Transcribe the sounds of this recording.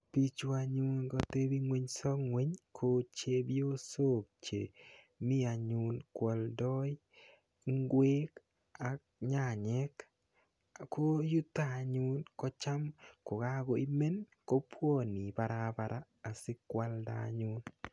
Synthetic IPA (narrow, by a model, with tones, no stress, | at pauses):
pi˦t͡ʃu˦a˧ɲʊ˦nɡɔ˦te˦bi˦ŋwe˦ɲsɔ˦ŋwe˦ɲkʰo˦t͡ʃe˦bjo˦so˦˨k̚t͡ʃḛ˨ | mi˦a˨ɲʊ˨nkwɔ˨ldɔ˦j | ŋɡwe˦k | a˨k̚ɲa˨ɲɛ˦k | ko˦ju˦tːa˦˨ɲʊ˦nkɔ˦t͡ʃa˦mko˨ɡa˦ɡɔ˨i˦me˦n | ko˦pwo˦˨ni˨pa˨ɾa˦˨pa˨ɾaː˦˨sɪ˦kwa˦lda̰˨˦ɲʊ˦n